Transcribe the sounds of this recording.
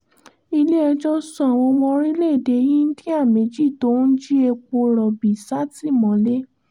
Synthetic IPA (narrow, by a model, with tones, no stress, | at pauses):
i˧le˦ɛ˧d͡ʒɔ˦sɔ̃˦˧˨a˨w̃ɔ̃˧wɔ̃˧ɾi˦le˦˨de˨˧jĩ˦n̩˦ti˦a˦˨mẽ˨˧˦d͡ʒi˦˨to˨˦n̩˦d͡ʒi˦e˧k͡po˧ɾɔ˨bi˨sa˦ti˦˨mɔ̃˨˦le˦